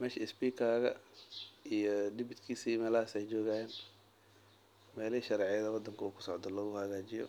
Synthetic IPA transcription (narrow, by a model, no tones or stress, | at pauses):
mɛːʃɐɪsbiːkʰaːɣɐ̰ | ijɔd̪ɪbɪd̪kʰiːsimɛːlɐhaːsɛjt͡ʃɔːɣɐjɛːn | mɛːliiʃɐɾɛːʕɪjɐðɐwɑd̪ːɐŋkʰɐuːkʰʊ̥sɔʕd̪ɔlɔːɣʊhɐɣaːt͡ʃɪjɔ̰